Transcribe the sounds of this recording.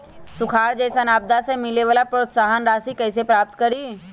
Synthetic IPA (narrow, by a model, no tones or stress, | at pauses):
sʊkʰaːɾd͡ʒɛːsɐnaːb̚d̪asemɪleʋaːlapɾoːt̪saːɦənɾaːsikɛːsepɾaːp̚t̪kɐɾiː